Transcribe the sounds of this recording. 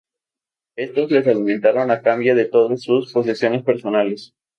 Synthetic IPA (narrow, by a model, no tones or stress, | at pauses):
e̞st̪o̞zle̞s̬aliment̪aɾo̞nakambjaðe̞t̪o̞ðasːuspo̞s̬isjo̞ne̞spe̞ɾso̞nale̞s